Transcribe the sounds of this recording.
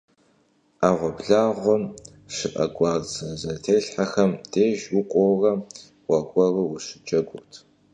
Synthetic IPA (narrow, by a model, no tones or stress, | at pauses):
aːʁʷɔbɮaːʁʷɔm | ʂɨʔɐ̰ɡʷɑːrzɐzɐtʰeːɬħaxɐmd̥eːʒwʊqʷʼɔwrɐ | wʷɐɡʷʼɔrɨwʊɕɨ̥t͡ʃʼɐɡʷʊtʰ